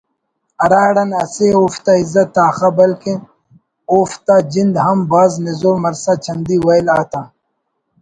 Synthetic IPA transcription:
ɐɾaːɽɐnɐseoːft̪aizɐt̪ːaːxɐbɐlkin | oːft̪ad͡ʑind̪ɦɐmbaːznizoːmɐɾsat͡ɕʰɐnd̪iwɐjlaːt̪aː

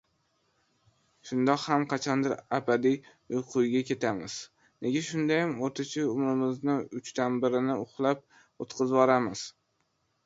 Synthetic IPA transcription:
ʃʊnd̪ɒqhamqʰɑt͡ʃʰɒnd̪ɪɾabad̪i | ʊjqʰʊjɡʲakʲʰe̞t̪ʰamɪz̥ | ne̞ɡʲaʃʊnd̪ajamoɾt̪ʰɪt͡ʃʰɪʊmɾɪmɪznɪʊt͡ʃt̪anbɪɾɪnɪʊχlˠap̚ | ot̪qʰɨzvɒɾamɪz̥

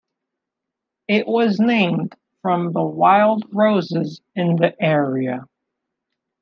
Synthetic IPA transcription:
ɪʔwʔʌznẽɪ̃md̥ | fɹʌ̃mðəwaɪlˠd̚ɹoʊzɪzɨ̃nðiʔɛɹiɨ

